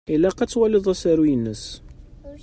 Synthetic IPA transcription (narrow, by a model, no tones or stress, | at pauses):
ilæqæt͡sːwæləðˤæsæɾujənːəs